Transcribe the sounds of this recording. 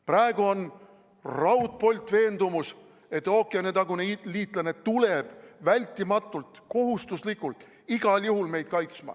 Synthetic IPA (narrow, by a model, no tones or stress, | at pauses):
prɑe̞ɡ̥uo̞n | rɑwt̪̚ˑpo̞lʲt̪ːˑve̞ːnd̪umus | e̞t̪ːˑoːkːˑenet̪ɑɡuneliːt̪ˑlɑne̞t̪ule̞b̥vælʲt̪ːˑimɑt̪ˑːult̪ko̞ɦust̪uslikːˑult̪ | iɡ̥ɑljuɦulme̞jd̪̚kɑjt̪smɑ̰